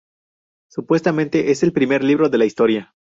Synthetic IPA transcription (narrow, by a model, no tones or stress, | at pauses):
supwe̞st̪amẽ̞nt̪e̞ʔe̞se̞lpɾime̞ɾliβɾo̞ðe̞laist̪o̞ɾja